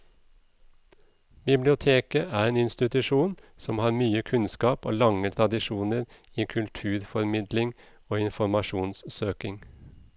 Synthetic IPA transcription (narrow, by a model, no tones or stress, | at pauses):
bɪblɪʊt̪ʰeːkəʔæːɾeːnɪnst̪ɪt̪ʉʃuːn | sɔmhɑːɾmyːəkʰʉnskɑːpo̰ːlɑŋət̪ʰɾɑd̪ɪʃuːnəɾ | iːkʰʉlt̪ʰʉːɾfɔɾmɪd̪lɪŋ | oːɪnfɔɾmɑʃuːnssøːkɪŋ